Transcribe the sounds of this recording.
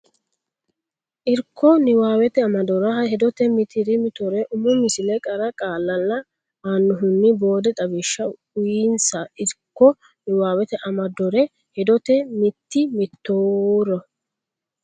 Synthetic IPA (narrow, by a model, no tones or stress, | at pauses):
ʔɪɾkːɔnɪwaːwɛt̪ɛɐmɐd̪ɔɾɐhɐhɛd̪ɔt̪ɛmɪt̪ʰɪɾɪmɪt̪ɔɾɛʔʊmʊmɪsɪlɛkʼɐɾɐkʼaːlːɐlːɐ | aːnːʊɦʊnːɪbo̞ːd̪ɛt̪ʼɐbɪʃːɐ | ʊjiːnsɐɪɾkːɔ | nɪwaːwɛt̪ɛʔɐmɐd̪ɔɾɛ | hɛd̪ɔt̪ɛmɪt̪ːɪmɪt̪ːoːɾɔ